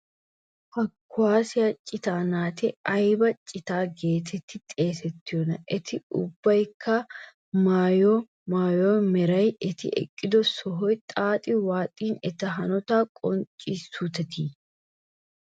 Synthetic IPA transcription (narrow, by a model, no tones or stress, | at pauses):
hɐkːʊaːsɪjɐt͡ʃʼɪt̪aːnaːt̪ɪɐjbɐt͡ʃʼɪt̪aːɡe̞ːt̪ʰɛt̪ːɪt̪ʼe̞ːsɛt̪ːɪjɔnɐʔɛt̪ʰɪʊbːɐjkʰːɐ | maːjoː | maːjoːmɛɾɐjɛt̪ɪ̰ʔɛ̰kʼːɪd̪ɔsɔɦɔjt̪ʼaːt̪ʼɪwaːt̪ʼiːnɛt̪ɐɦɐnɔt̪aːkʼɔnt͡ʃʼːisut̪ɛt̪iː